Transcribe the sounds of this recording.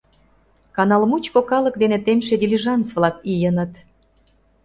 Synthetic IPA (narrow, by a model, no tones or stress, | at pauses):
kɑnɑlmut͡ɕkokɑlə̆k̚d̪enet̪emʃ̬ed̪ʲilʲiʒɑnt͡svlɑkijənət̪